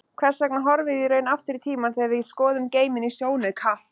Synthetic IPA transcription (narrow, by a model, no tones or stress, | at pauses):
kʰvɛɾ̥sɛknaɦɔɾvɪðiɾœːɥnaft̪ɪɾit̪ʰiːmaθiavɪðskɔːðʏmceːjmɪnisjoːwnɪðkʰa